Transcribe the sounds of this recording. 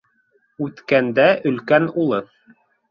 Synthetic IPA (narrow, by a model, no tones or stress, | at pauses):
ʉt̪kænd̪æʔɵ̆lkænulˠɤ